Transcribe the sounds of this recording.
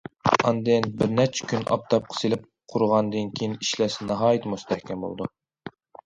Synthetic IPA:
ɑnd̪ɨnbɪɾnɛt͡ʃʰɛ̥kʲʰynʔɑ̰p̚t̪ʰɑp̚qʰə̥selɪp̚ | qʰʊɾʁɑnd̪ɨnkʲʰejiniʃlɛsnɑɦɑːjɨt̪must̪ʰɛhkʲʰɛmbo̰lˠd̪u

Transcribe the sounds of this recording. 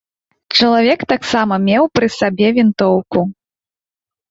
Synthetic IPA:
t͡ʂɐlˠavʲɛkt̪aksamɐmʲɛwpɾɨsabʲɛvʲint̪ɔwku

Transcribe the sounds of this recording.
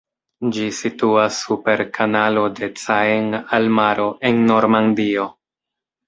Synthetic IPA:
d͡ʒisituasːupe̞ɾkʰanalo̞de̞t͡saeŋalmaɾo̞ʔe̞nːo̞ɾmandio̞

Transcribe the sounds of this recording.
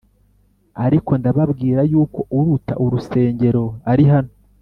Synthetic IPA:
aɾiko̞ndaβabɡiːɾajuːko̞ʔuɾuta̰ʔuɾuse̞ːɲɟe̞ɾo̞aɾiɦano

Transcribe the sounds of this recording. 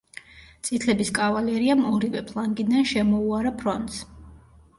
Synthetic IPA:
t̪sʼit̪ʰlɛbiskʼavalɛɾiamɔɾivɛpʰlˠaŋɡid̪anʃɛmɔuaɾapʰɾɔnt̪ʼs

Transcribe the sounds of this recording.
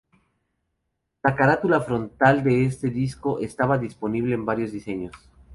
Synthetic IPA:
lakaɾat̪ulafɾo̞nt̪ald̪e̞est̪e̞ðisko̞ʔest̪aβaðispo̞niβle̞ːmbaɾjo̞zðise̞ɲo̞s

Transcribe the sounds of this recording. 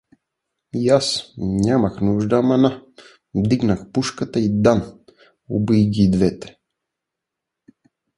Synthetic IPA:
jasnʲamɐxnuʒd̪amɐna | vd̪iɡnaxpuʃkət̪əid̪an | o̰bijɡʲid̪vɛt̪ɛ̥

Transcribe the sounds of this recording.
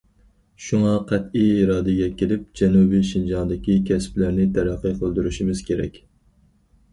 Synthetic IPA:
ʃuŋɑqʰɛt̪ijiɾɑːd̪ɪɡʲɛkʲʰelɪp̚d͡ʒɛnubiʃind͡ʒɑnd̪ɪkʲikʲʰɛsplæɾnɪt̪ʰæɾæqːɨqʰəlˠd̪yɾyʃimɪz̥kʲʰeɾɛ̰kʲ

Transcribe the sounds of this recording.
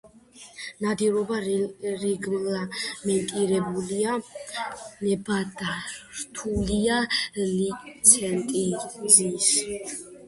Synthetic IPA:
nad̪iɾɔbaɾiɡmlamɛnt̪ʼiɾɛbulia | nɛbad̪aɾt̪ʰulialit̪sʰɛnt̪ʼizis

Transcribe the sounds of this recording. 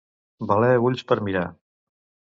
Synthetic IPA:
balɛβuʎʲspəɾmiɾa

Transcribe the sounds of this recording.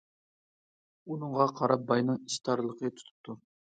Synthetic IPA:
unɨŋʁɑqʰɑɾɑp̚bɑjnɨŋiʃt̪ʰɑɾlˠəqʰət̪ʰu̥t̪ʰu̥p̚t̪ʰu

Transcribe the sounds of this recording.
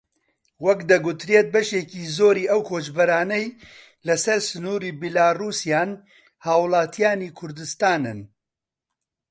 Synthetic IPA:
wɐkd̪ɐɡut̪ɾeːt̪̚bɐʃeːciːzoːɾiːʔɐwkʰoːt͡ʃbɐɾaːnɛj | lɐsɐɾsɨnuːɾiːbilaːruːsjaːn | haːwlˠaːt̪ʰijaːniːkʰʊɾd̪ɨst̪aːnɨn

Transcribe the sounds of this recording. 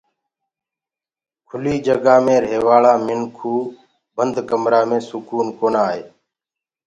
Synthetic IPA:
kʰʊliːd͡ʒəɡãːmẽːɾeːʋaːlaːmɪnkʰuː | bənd̪ʱkəmɾaːmẽːsʊkuːnkoːnaːɦḛː

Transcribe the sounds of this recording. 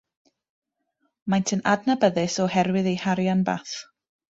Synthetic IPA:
majntʰənadnabəðɨsɔhɛɾwɪðejhaɾjanba̰ːθ

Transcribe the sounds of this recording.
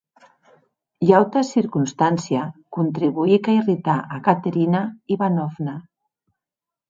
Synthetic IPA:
jawt̪asiɾkunst̪ansiakunt̪ɾiβuikairit̪aʔakat̪eɾinaiβanɔfna

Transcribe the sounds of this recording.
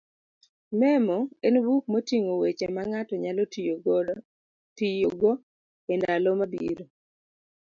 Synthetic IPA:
mɛmɔenbuk̚motiŋowet͡ʃemaŋatɔɲalɔ | tijoɡɔ | endalɔmabiɾo

